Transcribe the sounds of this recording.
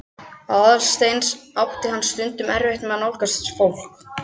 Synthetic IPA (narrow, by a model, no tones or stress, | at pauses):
aðalst̪ejnsawht̪ɪɦanːst̪ʏnt̪ʏmɛɾveht̪nmɛðnowlkasɪ̥nsfowl̥k